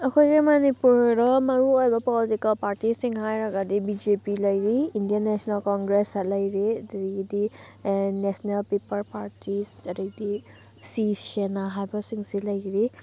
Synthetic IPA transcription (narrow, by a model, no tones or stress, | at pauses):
ɐkʰojɡemanipuɾɾɔmɐɾuojbɔpɔlitikɐlpaɾtisiŋɦajɾaɡadibid͡ʒepilɐjɾiːndijanesnalkɔŋɡɾesalɐjɾidɐɾiɡdi | nesnelpipɐɾpaɾtʰisdɐɾik̚di | sisenaɦajbasiŋsilajɡiɾi